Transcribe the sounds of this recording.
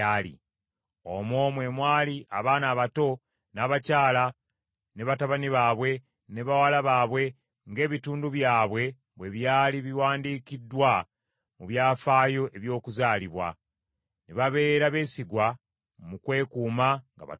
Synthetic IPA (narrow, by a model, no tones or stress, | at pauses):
aːlḭ | omomwe̞ːmwaːliʔaβaːnaːβato̞ | naːβacaːla | ne̞βataβaniβaːβwe̞ | neβawalaβaːβwe̞ | ŋɡe̞ːβituːnduβjaːβwe̞ | βwe̞βjaːliβiwaːndiːkidwa | muβjaːfaːjo̞ʔe̞βjo̞ːkuzaːliβwa̰ | neβaβe̞ːɾaβe̞ːsiɡwa | mukwe̞ːkuːmaŋɡa̰βa̰